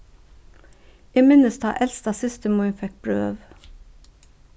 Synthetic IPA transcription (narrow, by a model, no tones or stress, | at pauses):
eːmɪnəst̪ʰɑ̰ːʔɛlst̪ɑːsɪst̪əmʊnfɛk̚b̥ɹø̰ːʋ